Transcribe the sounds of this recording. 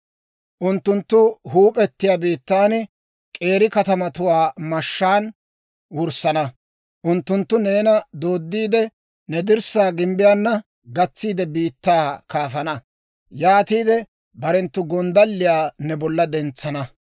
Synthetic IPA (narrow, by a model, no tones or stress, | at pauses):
ʔʊnt̪ːʊnt̪ːʊhuːpʼɛt̪ːɪjaːbiːt̪ːaːn | kʼe̞ːɾɪkɐt̪ɐmɐt̪ʊwaːmɐʃːaːn | wʊɾsɐnɐ | ʔʊnt̪ːʊnt̪ːʊne̞ːnɐd̪o̞ːd̪ːiːd̪ɛ | nɛd̪ɪɾsaːɡɪmbɪjaːnːɐ | ɡɐt͡sːiːd̪ɛbiːt̪ːaːkaːfɐnɐ | jaːt̪iːd̪ɛ | bɐɾɛnt̪ːʊɡɔnd̪ɐlːɪjaːnɛbɔlːɐd̪ɛnt͡sːɐnɐ